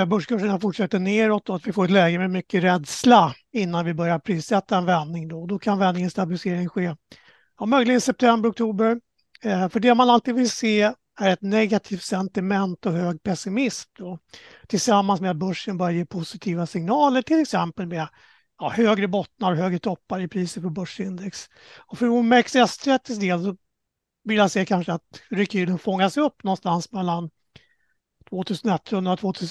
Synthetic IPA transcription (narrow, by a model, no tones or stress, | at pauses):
bɵʂkʰɵʂːəɳafʊʈʂɛt̪ːəɳeːɾɔt̪̚d̪ɔat̪vɪfoːɾɛt̪lɛːɡəmɛmʏkːəɾɛd̪sla | ɪnːanvɪbœɾjaɾpʰɾiːsɛt̪ːaɛnvɛnːɪŋd̪ɔɔd̪ɔkʰanvɛnːɪŋənst̪abɪlɪseːɾɪŋɧeː | ɔmœjlɪɡənsɛp̚t̪ʰɛmbəɾɔk̚t̪ʰuːbəɾ | fœɖɛmanalt̪iːd̪vɪlseː | æɾɛt̪nɛɡat̪ʰiːft̪sɛnt̪ɪmɛnt̪ɔɦøːɡ̚pʰɛsɪmɪsmd̪ɔ | t̪ʰɪlsamːansmeɛat̪̚bɵʂːənbœɾjajeːpʰʊsɪt̪ʰiːvasɪŋnɑːləʈʰɪlɛksɛmpəlme | jɑhøːɡɾəbɔt̪naɾɔɦøːɡɾət̪ʰɔpːaɾəɪpʰɾiːsət̪fœɾbɵʂɪnd̪ɛks | ɔfɾumɛksɛst̪ʰɾɛt̪ːɪsd̪eːlsɔ | vɪljaseːkʰanʂəat̪ɾɛkʉːlənfɔŋːasɛɵpːnɔnst̪ansmɛlːan | t̪ʰvoːt̪ʰʉ̟ːsənɛt̪ːɵnd̪ɾat̪ʰvoːt̪ʰʉ̟ːs